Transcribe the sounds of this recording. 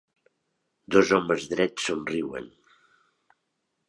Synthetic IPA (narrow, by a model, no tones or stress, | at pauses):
d̪ɔzɔməzðɾɛsonriwə̰n